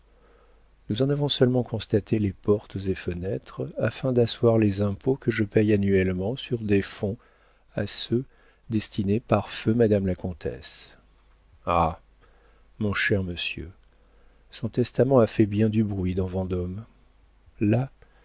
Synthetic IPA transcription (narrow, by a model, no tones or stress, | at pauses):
nuzɑ̃navɔ̃sœlmɑ̃kʰɔ̃st̪at̪ʰelepɔʁt̪zefənɛt̪χafɛ̃d̪aswaʁlezɛ̃pʰokəʒəpɛjanyɛlmɑ̃syʁd̪efɔ̃ | asø | d̪ɛst̪inepaʁfømad̪amlakɔ̃t̪ʰɛ̰s | a | mɔ̃ʃɛʁməsjø̰ | sɔ̃t̪ɛst̪amɑ̃afɛbjɛ̃d̪ybʁɥid̪ɑ̃vɑ̃d̪ɔm | la